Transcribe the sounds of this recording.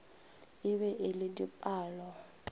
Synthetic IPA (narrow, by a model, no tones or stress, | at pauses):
ɪβɛʔɪlɪdipʼaːlɔ